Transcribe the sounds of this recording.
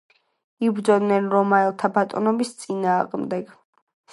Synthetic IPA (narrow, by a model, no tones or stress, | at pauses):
ibɾd̪zɔd̪nɛnɾɔmaɛlˠt̪ʰabat̪ʼɔ̰nɔbist̪sʼinaːʁmd̪ɛɡ